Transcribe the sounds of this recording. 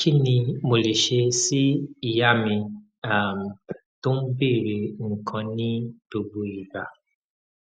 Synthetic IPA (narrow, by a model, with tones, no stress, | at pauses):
t͡ʃi˦ni˨mo˨li˨ʃe˦si˦˨ja˦mɪ˨ | a˨m̩˨ | tʊ˦m̩˦bi˦˨ɾi˨ŋ̩˨kʰɔ˨ni˦tu˨bu˨i˨ba˨